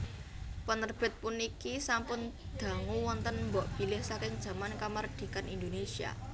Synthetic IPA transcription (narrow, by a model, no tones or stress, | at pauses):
pənərb̥ɪ̤t̪̚punikisampʊn | d̪̥a̤ŋuwɔnt̪ənmbɔʔb̥i̤lɪhsakɪŋd̥ʒ̥ä̤mankamard̪̥i̤kanind̪onesia̰